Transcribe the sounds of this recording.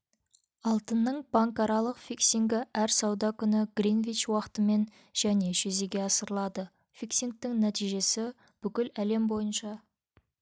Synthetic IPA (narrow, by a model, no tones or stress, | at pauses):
ɑlˠt̪ənːəɴbɑŋkɑɾɑlˠəqfiksiŋɡʲɪʔæɾsɑwd̪ɑkʲʰʏnɪɡrinvit͡ʃwɑqə̥t̪əme̞n | ʒ̥æne̞ʒɵze̞ɡʲe̞ɑsəɾəlˠɑd̪ə | fiksiŋk̚t̪ɪŋnæt̪ijʒe̞sɪ | b̥ʏkʲɪlæle̞mbo̞jənʃɑ